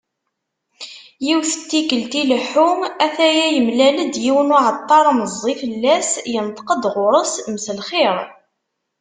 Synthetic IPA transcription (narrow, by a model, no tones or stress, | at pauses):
jiwθət̪ːikəlt̪iləħumæθæjæjəmlæləd̪jiwənʊʕət̪ˤːɑɾˤməzˤːifəlːæsjənt̪qəd̪ʁʊɾˤəsmsəlχiɾˤ